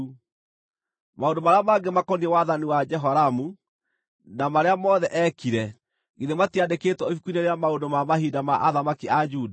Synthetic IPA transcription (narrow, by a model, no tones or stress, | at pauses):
maondomaɾeamaɡemakɔniɛwaðaniwad͡ʒɛɦɔɾamu | namaɾeamɔðɛʔɛkiɾɛ | ɣiðematiadeketwɔifukuineɾeamaondomamahidamaʔaðamakiad͡ʒuːda